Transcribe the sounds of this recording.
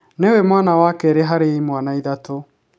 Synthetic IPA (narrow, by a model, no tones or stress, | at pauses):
newɛmwanawakɛɾeɦaɾeimwanaiðato